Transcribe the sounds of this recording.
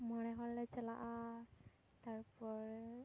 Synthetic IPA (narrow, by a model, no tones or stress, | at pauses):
mɔnɛɦɔlɛt͡ʃɛla̰ʔa | taɹpɔɹ